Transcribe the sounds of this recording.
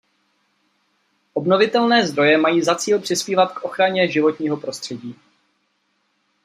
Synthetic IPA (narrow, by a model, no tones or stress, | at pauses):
ʔo̞bno̞vɪt̪ɛlnɛːzd̪ɾo̞jɛmajiːzat͡siːlpr̝̥ɪspiːvat̪kʔo̞xɾaɲɛʒɪvo̞t̪ɲiːɦo̞pɾo̞st̪r̥ɛɟiː